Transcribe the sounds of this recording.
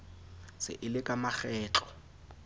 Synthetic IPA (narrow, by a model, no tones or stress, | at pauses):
sɪ̰ʔɪlɪkʼamaχɛːt͡ɬɔ̥